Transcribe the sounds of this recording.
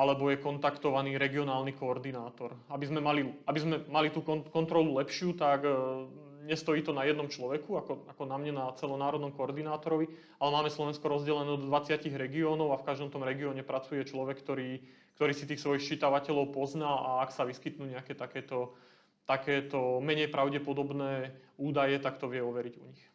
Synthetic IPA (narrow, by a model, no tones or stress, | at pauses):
alɛbɔjɛkɔnt̪akt̪ɔʋaniːɾɛɡiɔnaːlnikɔːɾd̪inaːt̪ɔɾabizmɛmaliabizmɛmalit̪uːkɔkɔnt̪ɾɔlulɛpʃɪuːt̪aɡ | ɲɛst̪ɔjiːt̪ɔnajɛd̪nɔmt͡ʃlɔʋɛkuakɔakɔnamɲanat͡sɛlɔnaːɾɔd̪nɔmkɔɔɾd̪inaːt̪ɔɾɔʋi | alɛmaːmɛslɔʋɛnskɔɾɔzɟɛlɛnɛːɔd̪ɔd̪ʋat͡sɪaciɣɾɛɡiɔːnɔʊafkaʒd̪ɔmt̪ɔmɾɛɡiɔːɲɛpɾat͡sujɛt͡ʃlɔʋɛkːt̪ɔɾiː | kt̪ɔɾiːsit̪iːxsʋɔjixt͡ʃit̪aʋacɛlɔʊpɔznalaaksaʋiskit̪nuːɲɛakɛːt̪akɛːt̪ɔ | t̪akɛːt̪ɔmɛɲɛjpɾʔaʊɟɛpɔd̪ɔbnɛːuːd̪ajɛt̪akt̪ɔʋɪɛɔʋɛɾiɟuɲix